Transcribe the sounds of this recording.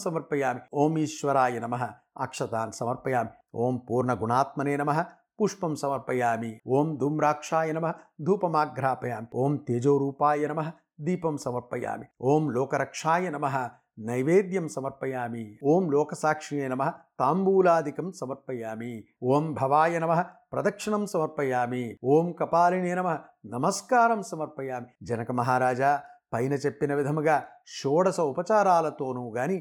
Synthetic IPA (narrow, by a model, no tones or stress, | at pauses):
sɐmɐɾpɐjaːmioːmiːʃʋɐɾaːjɐnɐmɐɦɐ̆ | a̰kʂɐt̪aːnsɐmɐɾpɐjaːmi | oːmpuːɾɳɐɡuɳaːt̪̚mɐneːnɐmɐɦɐ̆ | puʂpɐmsɐmɐɾpɐjaːmioːmd̪ʱuːmɾaːkʂaːjɐnɐmɐɦɐd̪ʱuːpɐmaːɡɾaːpɐjaːmioːmt̪eːd͡ʒoːɾuːpaːjɐnɐmɐɦɐ̆ | d̪iːpɐmsɐmɐɾpɐja̰ːmioːmloːkɐɾɐkʂaːjɐnɐmɐɦɐ̆ | nɐjʋeːd̪jɐmsɐmɐɾpɐjaːmioːmlɔːkɐsaːkʂiɳeːnɐmɐɦɐ̆t̪aːmbuːlaːd̪ʱikɐmsɐmɐɾpɐjaːmi | oːmbʱɐʋaːjɐnɐmɐɦɐ̆pɾɐd̪ɐkʂɐɳɐmsɐmɐɾpɐjaːmioːmkɐpaːliɳeːnɐmɐɦɐnɐmɐskaːɾɐmsɐmɐɾpɐjaːmid͡ʒɐnɐkɐmɐɦaːɾaːd͡ʒaːpɐjnɐt͡ʃepːinɐʋid̪ʱɐmɐɡaːʃoːɽɐsɐupɐt͡ʃaːɾaːlɐt̪oːnuːɡaːni